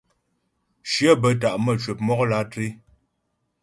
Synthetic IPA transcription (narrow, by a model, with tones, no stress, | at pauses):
ʃjə˦bə˦t̬a˨ʔmə˦˨t͡ʃwə˨p̚mɔ˦kla˦tɾi˦